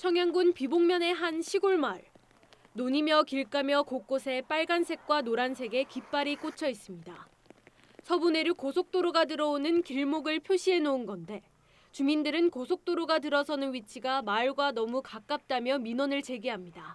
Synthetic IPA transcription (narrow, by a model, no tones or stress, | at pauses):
t͡ɕʰʌŋjaŋɡunpiboŋmjʌne̞ɦanɕʰiɡoɭmaɭ | noɲimjʌkiɭk͈amjʌkok͈osʰe̞p͈aɭɡansʰe̞k̚k͈wanoɾansʰe̞ɡe̞kip͈aɾik͈ot͡ɕʰʌis͈ɯmɲida | sʰʌbune̞ɾɯkosʰok̚t͈oɾoɡatɯɾʌonɯnkiɭmoɡɯɭpʰjoɕʰie̞nounɡʌnde̞ | t͡ɕumindɯɾɯnkosʰok̚t͈oɾoɡat̬ɯɾʌsʰʌnɯnwɥit͡ɕʰiɡamaɭɡwanʌmukak͈ap̚t͈amjʌminʌnɯɭt͡ɕe̞ɡiɦamɲida